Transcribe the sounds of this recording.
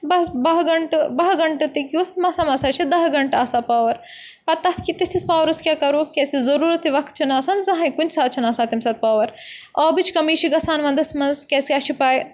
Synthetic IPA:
bɐsbɐɦɡɐɳʈɨbɐɦɡɐɳʈɨt̪ikjut̪ʰmɐsɐmɐːsaːt͡ʃʰid̪ɐɦɡɐɳʈaːsaːpaːʋɐɾ | pɐt̪ɐt̪ʰkit̪it̪ʰispaːʋɐɾɐskʲjaːkɐɾukʲeːsizɐɾuːɾɐt̪ʰiʋɐkt̪̚t͡ʃʰinaːsɐnzɐɦɐjkunʲsaːt̪̚t͡ʃʰinaːsaːt̪imsaːt̪̚paːʋɐɾɐːbit͡ʃʰkɐmiːt͡ʃʰiɡɐsaːnʋɐnd̪ɐsmɐnzkʲeːsiaːʃʰipaːj

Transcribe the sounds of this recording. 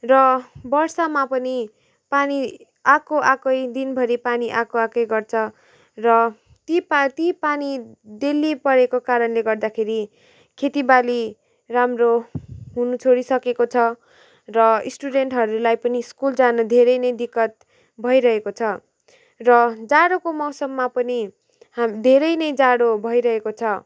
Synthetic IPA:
rʌbʌrsʌmapʌni | pani | akoʔakʌjd̪inbʱʌɾipaniʔakoakʌjɡʌrt͡sʰʌ | rʌ | t̪ipt̪ipanid̪elːipʌɾekokaɾʌnleɡʌrd̪akʰeɾi | kʰet̪ibali | ramroɦunut͡sʰoɽisʌkekot͡sʰʌ | rʌisʈuɖeɳʈɦʌɾulajpʌniskuld͡zanʌd̪ʱeɾʌjnʌjd̪ikːʌt̪̚ | bʱʌjɾʌɦekot͡sʰʌ | rʌd͡zaɽokomʌwsʌmːapʌni | amd̪ʱeɾʌjnʌjd͡zaɽobʱʌjɾʌɦekot͡sʰʌ

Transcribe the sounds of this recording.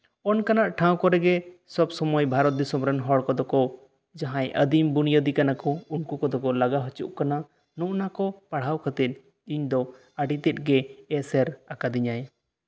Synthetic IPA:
ɔnkanaʔʈʰãw̃kɔɾɛɡɛsɔbsɔmɔjbʱaɾɔt̪̚d̪isɔmɾɛnɦɔɽkɔd̪ɔkɔ | d͡ʒaɦãjʔəd̪imbunijəd̪ikanakɔunkukɔd̪ɔkɔlaɡaɦɔt͡ʃṵʔkana | nɔ̃ʔnakɔpaɽ̤awkʰət̪ɛt̪̚ | iɲd̪ɔ | aɖit̪ɛt̪̚ˀɡɛɛsɛɾakad̪iɲaj

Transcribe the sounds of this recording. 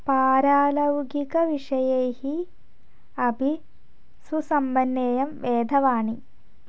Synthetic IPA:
paːɾaːlɐwɡikɐʋiʂɐjejhi | ɐbʱi | susɐmbɐnːeːjɐmʋeːd̪ʱɐʋaːɳi

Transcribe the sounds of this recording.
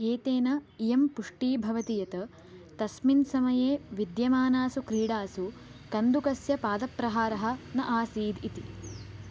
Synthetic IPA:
eːt̪eːnɐjempuʂʈiːbʱɐʋɐt̪ijɐt̪ɐ | t̪ɐsminsɐmɐjeːʋid̪jɐmaːnaːsukɾiːɽaːsukɐnd̪ukɐsjɐpaːd̪ɐpɾɐɦaːɾɐɦɐ̆nɐʔaːsiːd̪it̪i

